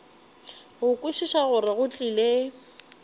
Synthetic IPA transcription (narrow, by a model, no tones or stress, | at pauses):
ɣʊkʼwiʃiʃaɣʊrɪɣʊt͡ɬʼile